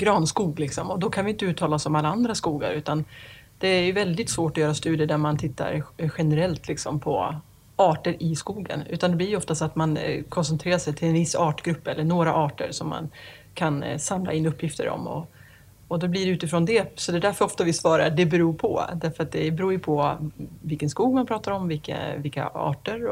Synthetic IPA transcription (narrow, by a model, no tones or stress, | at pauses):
ɡɾɑːnskuːɡlɪksɔmɔd̪ɔkʰanvɪjɪnt̪əʉ̟ːt̪ʰːɑːlaɔsɔmalːaand̪ɾaskuːɡa̰ɾʉ̟ːt̪an | d̪̥ɛæjɵvɛld̪ɪt̪svoːʈɔjœːɾast̪ʉːd̪ɪəɖ̪æɾmant̪ʰɪt̪ːa̰ɾɧɛnɛɾɛlt̪ʰlɪksɔmpʰɔ̰ | ɑːʈəɾɪskuːɡə̰nʉ̰ːt̪and̪ɛblɪɾjɵɔft̪asat̪mankʰɔnsɛnt̪ʰɾeːɾaʂɛjt̪ʰɪlɛnvɪsːɑːʈɡɾɵpːɛlːəɳoːɾaʔɑːʈə̰ɾsɔmːa̰n | kʰansamla̰ɪnːɵpːjɪft̪ə̰ɾɔ̰mɔ̰ | ɔd̪ɔblɪɖɛʉːt̪ɪfɾɔnd̪ɛsɔd̪ɛd̪æɾfœɾɔft̪avɪsvɑːɾaɖɛbɛɾuːɾpʰɔ̰d̪æɾfœɾat̪̚d̪ɛbɛɾuːɾjɵpʰɔvɪlkːənskuːɡmanpʰɾɑːt̪aɾɔmvɪlkːə̰vɪlkːa̰ɑ̰ːʈəɾ